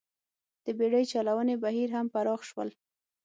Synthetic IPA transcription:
d̪̥əbeɽəjt͡ʃɑlawənebaɦiɾɦampaɾɑxʃwə̰l

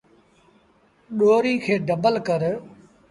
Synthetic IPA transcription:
ɗoːɾiːkʰeːɖəbəlkəɾ

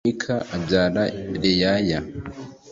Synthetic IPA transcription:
ikʰaʔabɟaːɾaɾejaja

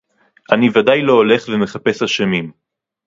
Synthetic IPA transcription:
ʔanivadajlo̞ole̞χveme̞χape̞shaʃemim

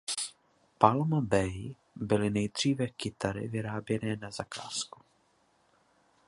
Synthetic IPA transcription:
palmabɛj | bɪlɪnɛjd̪r̝̥iːvɛkɪt̪aɾɪ̰vɪɾaːbjɛnɛːnazaka̰ːsku̥

